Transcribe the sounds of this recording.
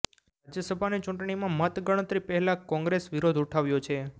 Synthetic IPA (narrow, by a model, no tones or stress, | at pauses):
ɾad͡ʒjəsəbʱanit͡ʃũɳʈɳimãmət̪ɡəɽ̃ət̪ɾipɛɦɛlakɔ̃ŋɡɾesʋiɾod̪ʱuʈʰaʋjot͡ʃʰe